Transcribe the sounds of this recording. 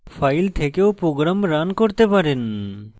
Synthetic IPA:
fajlt̪ʰekeopɾoɡɾamɾankoɾt̪epaɾen

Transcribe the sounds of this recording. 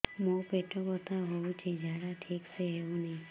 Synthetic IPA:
mopeʈopət̪aɦoũt͡ʃʰed͡ʒʱaɽaʈʰikseeũnəɦĩ

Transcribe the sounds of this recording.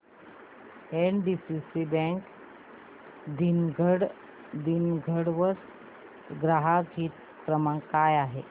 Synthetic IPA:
enɖisisibɛ̃ŋk | d̪inɡʱəɽ | d̪inɡʱəɽʋəs | ɡɾaɦaɡʱiːt̪ | kɾəmãkajaɦe

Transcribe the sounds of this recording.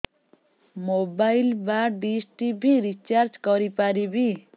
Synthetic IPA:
mobajlbaɖisʈibʱiɾit͡ʃaɾd͡ʒkɔɾipaɾibʱi

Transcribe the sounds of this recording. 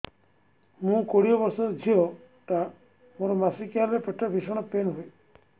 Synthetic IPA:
mũkoɽijɔbɔɾsɔɾd͡ʒʱiɔ | ʈa | moɾɔmasikjaɾepeʈʰabʱisɔɽ̃ɔpenɦuj

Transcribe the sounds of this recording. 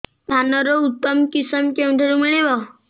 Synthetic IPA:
d̪ʱanəɾɔut̪ːəmkisəmkẽwʈ̪ʰəɾumiɭeʋa

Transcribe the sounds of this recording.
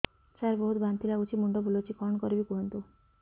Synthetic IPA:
t͡ʃaɾbɔɦut̪bant̪ilaɡut͡ʃʰimuɳɖɔbʱulot͡ʃʰikɔɳkɔɾibikuɦɔnt̪u

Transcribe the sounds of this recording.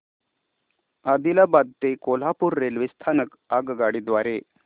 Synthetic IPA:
ad̪ilabad̪̚t̪ekol̤apuɾːelʋist̪ʰanək | aɡɡaɽid̪ʋaɾe

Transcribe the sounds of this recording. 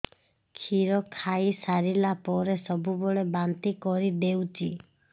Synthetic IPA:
kʰiɾɔkʰaisaɾilapɔɾesɔbubɔɭebant̪ikɔɾid̪ewt͡ʃʰi

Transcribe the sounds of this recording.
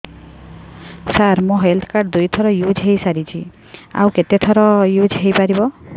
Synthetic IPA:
saɾmɔ̃ɦelt̪ʰkaɾɖd̪ujt̪ʰɔɾɔjud͡ʒɦejsaɾit͡ʃʰi | a̰wket̪et̪ʰɔɾɔjud͡ʒɦejpaɾibɔ

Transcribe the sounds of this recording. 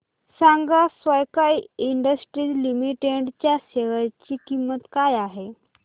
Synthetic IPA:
saŋɡasʋəjkajiɳɖəsʈɾiːlimiʈeɖt͡ɕjaɕeʋəjt͡ɕiːkimːət̪kajaɦe

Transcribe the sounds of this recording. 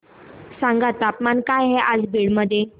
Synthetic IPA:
sãŋɡat̪ːapmankajɦɛʔad͡zbiɽməd̪ʱje

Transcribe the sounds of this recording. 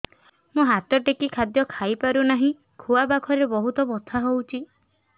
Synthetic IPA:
mũɦat̪ɔʈekikʰad̪jɔkʰajpaɾunaɦĩ | kʰuabakʰɔɾebɔɦut̪ɔbɔt̪ʰaɦowt͡ʃʰi

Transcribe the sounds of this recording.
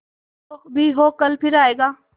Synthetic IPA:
okbʱiɦoːkɐlpʰɪɾaːeːɡaː

